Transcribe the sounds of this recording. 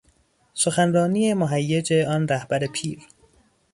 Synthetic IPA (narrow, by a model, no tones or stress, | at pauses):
so̞xænrɒːniːemoɦæjːed͡ʒe̞ɒːnɾæhb̥æɾe̞pʰiːɾ